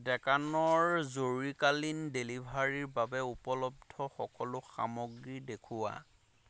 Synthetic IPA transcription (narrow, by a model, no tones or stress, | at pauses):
dɛkanɔɹzoɹikalindelibʱaɹiɹbabɛupɔlɔb̚dʱɔxɔkɔlʊxa̰moɡɹidekʰuwa̰